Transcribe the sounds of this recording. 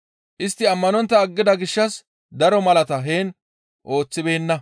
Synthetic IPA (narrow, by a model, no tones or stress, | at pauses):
ʔɪst̪ːɪɐmːɐnɔnt̪ːɐːɡːɪd̪ɐɡɪʃːɐs | d̪ɐɾɔmɐlɐt̪ɐɦeːn | ʔo̞ːt͡sːɪbe̞ːnːɐ